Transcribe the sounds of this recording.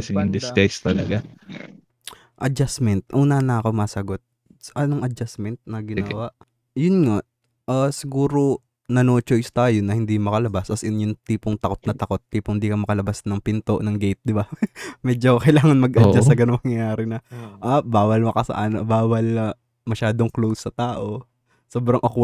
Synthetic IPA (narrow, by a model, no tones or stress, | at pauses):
sɪʊŋd̪ɪɐjst̪ɐlɐ̰ɡa | ʔɐd͡ʒasmɛnt̪̚ʔuːnɐnɐɐko̞maːsɐɡot̪̚ | sʔɐnoŋʔɐd͡ʒasmɛnt̪̚nɐɡɪnwaʔ | jʊnŋa | ʔasɪɡuːɾo | nɐnoːt͡ʃojst̪ajʊnːɐhɪnd̪imɐkɐlɐbasʔɐsʊnjʊŋt̪iːpoŋt̪ɐko̞t̪̚nɐt̪ɐko̞t̪ːiːpoŋhɪnd̪iːkɐmɐkɐlɐbasnɐŋpɪnt̪o̞ʔnɐŋɡɛjt̪̚d̪ɪbamɛːd͡ʒokɐjlaːŋɐnmɐɡʔɐd͡ʒasɐɡɐnoŋmɐŋjɐjaːɾɪnɐʔabaːwɐlmɐkɐsɐ̰ʔan̰baːwɐlɐ | mɐʃaːd̪oŋklowsːɐt̪aːʔo̞ | soːbɾɐŋʔɐk